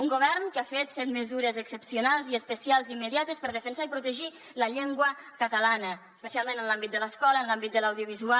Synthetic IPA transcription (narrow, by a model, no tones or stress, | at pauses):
uŋɡuβɛrnkafet̪sɛt̪məzuɾəzəksəpsiunalˠziəspəsialˠzimːəðjat̪əspəɾðəfənsaipɾut̪əʒi | ləʎeŋɡwəkət̪əlanəəspəsialˠmẽnənlambit̪̚d̪ələskɔlənlambit̪d̪ələwðjuβizua